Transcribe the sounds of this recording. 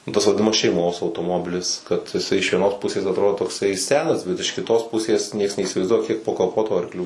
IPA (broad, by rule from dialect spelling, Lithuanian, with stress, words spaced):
nʊ ˈtɐs ʋɐdʲɪˈnɑːmɐs ʃʲɛɪˈmoːs ɐʊtoːˈmoːbʲɪlʲɪs kɐt ɪˈsɐɪ ɪʃ ʋʲiɛˈnoːs ˈpʊsʲeːs ɐtˈroːdoː toːkˈsɐɪ ˈsʲæːnɐs ˈbʲɛt ɪʃ kʲɪˈtoːs ˈpʊsʲeːs ˈnʲiɛks nʲɛiːsʲɪʋɐɪzˈduɔjɛ kʲiɛk poː kɐˈpoːtʊ ɐrkˈlʲuː